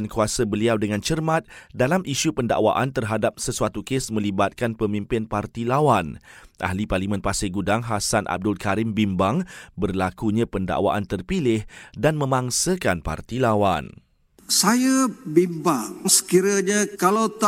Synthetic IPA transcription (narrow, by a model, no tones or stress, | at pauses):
nkuasəbəliawdəŋãnt͡ʃərmãt̪̚dalamʔiʃupənda̰ʔwa̰ʔant̪ərɦadap̚səsuat̪ukesmə̃libat̪̚kanpəmĩmpɪnpart̪ilawanʔa̰hliparlimɛ̃npasɪɡudaŋɦasanʔa̰b̚dʊlkaɾɪmbimbaŋbərlakuɲãpənda̰ʔwa̰ʔant̪ərpilɪhdanmə̃mãŋsəkanpa̰rt̪ilawan | sajabimbaŋsə̥kiɾəɲakalat̪